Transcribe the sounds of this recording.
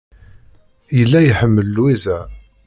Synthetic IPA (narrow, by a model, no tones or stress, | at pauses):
jəlːæjħəmːəlːwizæ